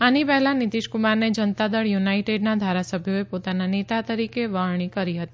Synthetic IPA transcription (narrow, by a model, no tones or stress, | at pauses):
anipɛɦɛlanit̪iʃkumaɾned͡ʒənt̪ad̪əɽjunaiʈeɖnad̪ʱaɾasəbʱjoepot̪ananet̪at̪əɾikeʋəɭɳ̃ikəɾiɦət̪i